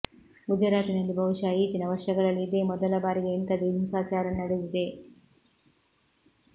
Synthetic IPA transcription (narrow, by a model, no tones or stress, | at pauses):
ɡud͡ʒɐɾaːt̪inɐlːibɐwuʂaːjit͡ʃinɐʋɐɾʂɐɡɐɭɐlːiːd̪eːmɔd̪ɐlɐbaːɾiɡeːnt̪ɐd̪emusaːt͡ʃaːɾɐnnɐɽeʋid̪e̞